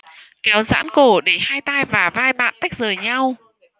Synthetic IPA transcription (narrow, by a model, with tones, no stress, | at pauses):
kɛ˨˦wza̰ː˧˥nko˧˩ɗe˧˩haː˧jt̪aː˧jvaː˨˩vaː˧jɓa̰ː˧˨nt̪a˦˥k̚zəː˨˩jɲa˧w